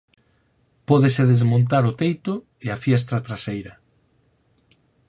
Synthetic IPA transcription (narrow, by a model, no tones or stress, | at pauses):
pɔðesɪðezmõnt̪aɾʊt̪ejt̪ʊ | eafjɛs̬t̪ɾat̪ɾasejɾɐ